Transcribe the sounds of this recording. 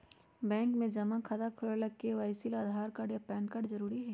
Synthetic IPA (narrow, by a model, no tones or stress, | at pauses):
bɛ̃ːŋkmẽd͡ʒɐmãkʰaːd̪akʰʊlalɐɡ̚keʋaːɪsilaːd̪ʱaːɾkəɖjapɛ̃ːɳʈkəɖzɐɾuːɾiɦɛː